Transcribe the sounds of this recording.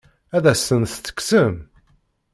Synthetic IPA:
æðæsənθt͡sːə̥ksəm

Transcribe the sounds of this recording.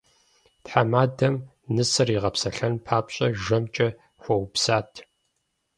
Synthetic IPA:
tħamaːdɐm | nɨsɨriːʁɐpsɐɬɐnpʰaːpɕʼɐʒɐmt͡ʃʼɐ | xʷɔwpsaːtʰ

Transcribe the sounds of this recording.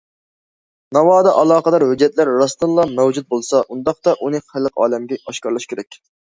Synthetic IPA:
nɑwɑːd̪ɑʔɑlˠɑːqəd̪ɑɾhød͡ʒːɛt̪læɾːɑst̪ɨnlˠɑmæwd͡ʒut̪̚bolˠsɑʔund̪ɑqt̪ɑʔunɨχælːəqɑ̰ːlɛmɡʲɛɑʃkɑɾlˠɑʃkʲʰeɾɛkʲ

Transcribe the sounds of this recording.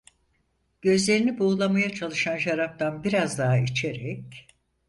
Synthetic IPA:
ɟ̥ø̞zlʲe̞ɾinibuːlˠamajat͡ʃʰalˠɯʃanʃaɾap̚t̪anbiɾazd̪aɦait͡ʃʰe̞ɾɛc̚

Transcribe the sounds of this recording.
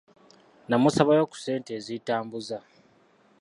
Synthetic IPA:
namusaβajo̞ːku̥se̞ːnte̞ːzitaːmbuza

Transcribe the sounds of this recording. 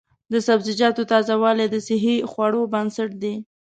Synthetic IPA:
d̪əsabzɪd͡ʒɑt̪ot̪ɑzawɑled̪əsɪɦixwɑɽobansaʈd̪e

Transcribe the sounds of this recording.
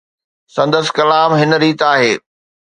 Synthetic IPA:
sɐ̃nd̪əskɐlaːmɦɪnə̆ɾiːt̪aːɦeː

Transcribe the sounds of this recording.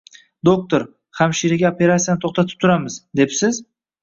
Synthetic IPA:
d̪ok̚t̪oɾ | hamʃiɾɪɡʲaope̞ɾat̪sijanɪt̪ʰoχt̪ʰat̪ʰɪ̥p̚t̪ʰʊɾamɪzd̪e̞psɪz

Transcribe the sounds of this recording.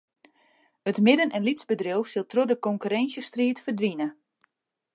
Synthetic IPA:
ətmɪdənʔɛnlitsbədrɪwsɪlˠtrodəkɔŋkyɾɛnsjəstriətfərdʋinə

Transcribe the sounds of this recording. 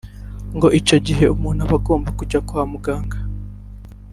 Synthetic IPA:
ŋɡo̞ʔit͡ʃo̞ɟiɦe̞umuːn̥huaβaɡo̞ːmbakuɟakuhamuɡaːŋɡa

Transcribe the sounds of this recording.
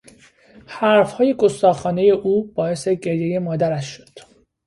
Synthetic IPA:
hæɾfhɒːje̞ɡo̞st̪ɒːxɒːne̞je̞ʔuːb̥ɒːe̞se̞ɟe̞ɾje̞je̞mɒːd̪æɾæʃːod̪̥

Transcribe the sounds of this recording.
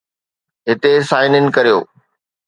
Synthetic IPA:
ɦɪt̪esaːɪnɪnɪ̆kɐɾijo̰ː

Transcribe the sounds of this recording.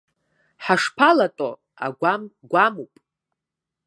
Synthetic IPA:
ħaʂpʰalatʼo | a̰ɡʷamɡʷamupʼ

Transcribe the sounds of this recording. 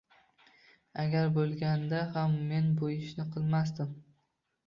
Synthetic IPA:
aɡʲaɾbolˠɡʲand̪ahamːe̞nbojɪʃnɪqʰɨlˠmasd̪ɪm

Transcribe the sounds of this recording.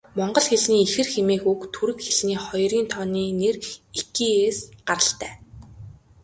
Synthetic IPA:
mɔɴɢɞ̆ɮxeɮniːxɘ̆rxemeːxukt̪ʰuɾɘ̆kxeɮniːχɔjriːnt̪ʰɔniːnerikiːeːsɢaɾə̆ɬt̪æː

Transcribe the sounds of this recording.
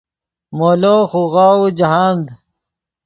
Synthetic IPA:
moːloːxuɣaːud͡ʑɐɦaːnd̪

